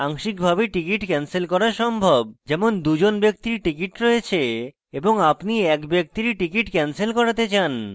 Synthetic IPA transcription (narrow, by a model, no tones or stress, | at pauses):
aŋʃikbʱabeʈikiʈkɛnselkɔɾaɾʃɔmbʱobd͡ʑɛmond̪ud͡ʑonbek̚t̪iɾʈikiʈɾoet͡ɕʰe | eboŋapniɛkbek̚t̪iɾiʈikiʈkɛnselkɔɾat̪et͡ɕan